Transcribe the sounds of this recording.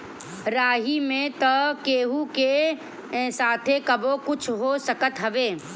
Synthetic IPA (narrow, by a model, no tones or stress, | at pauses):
ɾaːɦimẽt̪əkeːɦukẽ | saːt̪ʰekəbokʊt͡ʃʰɦosəkət̪ɦəʋeː